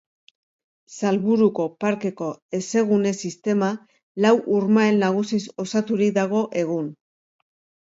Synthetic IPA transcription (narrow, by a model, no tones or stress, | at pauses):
salβuɾuko̞paɾke̞ko̞e̞se̞ɣune̞sist̪e̞ma | lawʔuɾmaenːaɣ̞usiso̞sat̪uɾik̚d̪aɣ̞o̞ʔe̞ɣ̞un